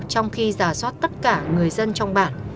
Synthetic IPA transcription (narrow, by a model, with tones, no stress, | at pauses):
t͡ɕɔ˧wŋ͡mxi˧zaː˧˩swaː˦˥t̚t̪ə˦˥t̚kaː˧˩ŋɨ˨˩əjzə˧nt͡ɕɔ˧wŋ͡mɓaː˧˩n